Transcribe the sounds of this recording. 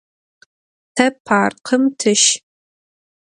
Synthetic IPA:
tʰɐpʰaːrqʰəmtʰɨʃ

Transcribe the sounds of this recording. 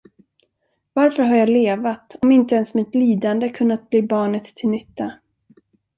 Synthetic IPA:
vaɾfœɾɦaɾjɑːleːvat̪ɔmɪnt̪əɛnsmɪt̪liːd̪and̪əkʰɵnːat̪̚bliːbɑːɳət̪ʰːɪlnʏt̪ːa

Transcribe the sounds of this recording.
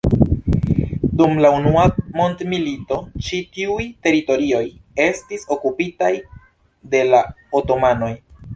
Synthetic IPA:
dumlaunuamo̞ntmilito̞t͡ʃitiujte̞ɾito̞ɾio̞je̞stiso̞kupitaj | de̞la | oto̞mano̞j

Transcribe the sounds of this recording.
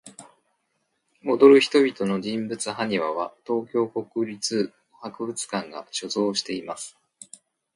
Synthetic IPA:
o̞d̪o̞ɾɯ̟çi̥t̪o̞bʲit̪o̞no̞d͡ʑĩmbɯ̟t͡sɨɦaɲ̟iβaβ̞at̪o̞ːkʲo̞ːko̞kɯ̟ɾʲit͡sɨ | hakɯ̟bɯ̟t͡sɨ̥kãŋɡa̰ɕo̞zo̞ːɕi̥t̪e̞imasɨ̥

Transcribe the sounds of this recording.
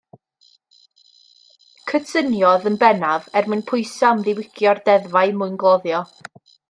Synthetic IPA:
kʰətʰənjɔðənbɛnavɛrmɨnpʰʊɨsamðɪwɪkʰjɔrd̥ɛðvaɨmʊjnɡlˠɔðjɔ

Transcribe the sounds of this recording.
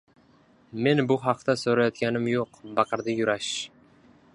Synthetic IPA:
menbʊχɑq̚t̪asɵɾajɒt̪̚kʲanɪmjoqbɑqɤɾd̪ɪjʊɾaʃ

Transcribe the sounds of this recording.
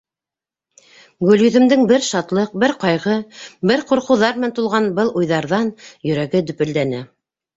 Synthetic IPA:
ɡɵ̆ljɵ̆ðɘ̆md̪ɘŋbɘɾʃɑt̪lˠɤq̚bɘɾqɑjʁɤbɘɾquɾqɤ̆wðɑɾmɘnænt̪ulˠʁɑnbɤlˠujðɑɾðɑnjɵ̆ɾæɡɘd̪ɵ̆pɘ̆ld̪ænæ

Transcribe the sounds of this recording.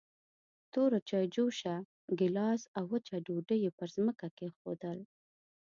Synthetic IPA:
t̪oɾot͡ʃɑjd͡ʒuʃa | ɡɪlɑsawːət͡ʃaɖoɖəjepəɾzməkakexo̰d̪əl

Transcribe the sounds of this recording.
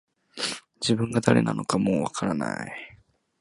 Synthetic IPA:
d͡ʑibɯ̟̃ŋɡad̪aɾe̞̰na̰no̞kamoːβakʰaɾana̰i

